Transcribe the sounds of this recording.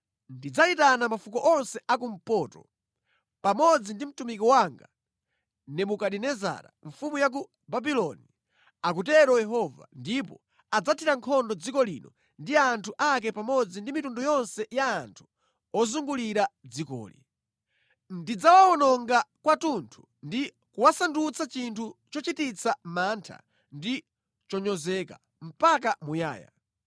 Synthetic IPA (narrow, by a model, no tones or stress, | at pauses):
ndid͡zaitanamafukɔʔɔnsɛʔak̬um̩pɔːtɔ̰ | pamɔd͡zindim̩tumikɔwaŋɡa | nɛmukaɗinɛza̰ɾa̰ɱfumujak̬u | babilɔni | akutɛɾɔjɛɦɔva̰ndipɔ̰ | ad͡zatʰiɾaŋkʰɔndɔd͡zikɔlḭnɔ | ndiantʰuʔak̬ɛpamɔd͡zindimitundɔjɔnsɛjaːntʰu̥ | ɔzuŋɡuliɾad͡zikɔ̰ːlḭ | ndid͡zawaɔnɔŋɡakwatuntʰu̥ | ndi | kuwasandut͡sat͡ʃintʰut͡ʃɔt͡ʃitit͡sʰamantʰa̰ | ndi | t͡ʃɔɲɔzɛka̰ | m̩pak̬amuja̰ːja̰